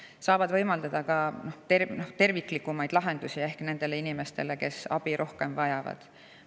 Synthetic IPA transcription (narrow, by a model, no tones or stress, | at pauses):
sɑːvɑd̪vɤ̞jmɑld̪̥ɑd̪̥ɑkɑno̞ht̪erno̞ht̪e̞rvikːˑlikːumɑjd̪̥lɑɦe̞nd̪̥usʲie̞hkne̞nd̪̥e̞le̞inime̞st̪e̞le̞ke̞sɑ̰b̥iɾʔo̞hke̞mvɑjɑvɑ̰d̪̥